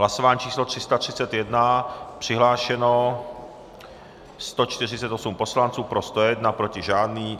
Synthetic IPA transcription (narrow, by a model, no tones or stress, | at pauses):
ɦlasovaːɲiːt͡ʃiːslot̪r̥ɪst̪at̪r̥ɪt͡sɛt̪jɛdnapr̝̥ɪɦlaːʃɛno | st̪o̞t͡ʃt̪ɪrɪt͡sɛt̪osumpo̞slant͡suːpɾo̞st̪ojɛdnapɾo̞cɪʒaːdniː